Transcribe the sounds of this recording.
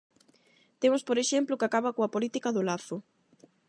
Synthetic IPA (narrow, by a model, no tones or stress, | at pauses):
t̪emʊspoɾeʃemplʊkakaβɐkoɐpolit̪ikɐðʊlaθʊ